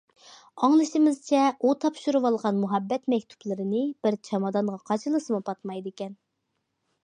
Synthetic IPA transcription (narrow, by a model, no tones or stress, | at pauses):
ɑŋlˠɨʃimɪzt͡ʃʰɛut̪ʰɑpʃuɾuwɑlˠʁɑnmuɦɛbːɛt̪mɛkʲt̪ʰu̥plˠɨɾɪnɨb̥ɪɾt͡ʃʰɑmɑd̪ɑnʁɑqʰɑt͡ʃʰɨlˠɨsɨmɨpʰɑt̪mɑjd̪ɪkʲɛn